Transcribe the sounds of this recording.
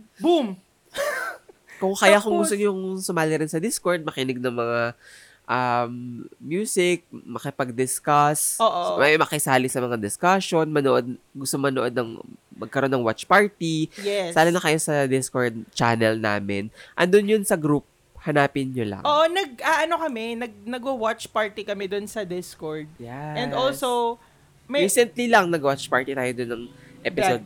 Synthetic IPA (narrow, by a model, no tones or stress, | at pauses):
bum | kʊŋkɐjjakoŋɡʊst̪oɲjʊŋsʊmaːlɪɾɪnsɐd̪ɪskoɹd̪̚mɐkɪnɪɡ̚nɐŋmɐŋa | ʔamːjuːsɪk̚mɐkɪpɐɡ̚d̪ɪskasoːʔmɐmɐkɪsaːlɪsɐmɐŋad̪ɪskaʃo̞nmɐnoʔod̪̚ɡʊst̪oŋmɐnoʔo̞d̪nɐ̰ŋmɐɡ̚kɐɾonːɐŋwat͡ʃpaɹt̪ijɛssaːlanɐkɐjosɐd̪ɪskoɹd̪̚t͡ʃa̰nɛlna̰ːmɪnʔɐ̰nd̪onjʊnsɐɡɾup̚ | hɐnaːpɪnɲolɐ̰ŋʔoːʔonɐɡ̚ʔɐʔɐno̞kɐmɛnɐɡ̚nɐɡʊwat͡ʃpaɹt̪ikɐmɛd̪ʊnsɐd̪ɪskoɹd̪̚jɛ̃nolsow | mɐɹiːsɛnt̪lilɐŋnɐɡwat͡ʃpaɹt̪it̪aːjod̪ʊnːɐŋʔɛppɪsod̪̚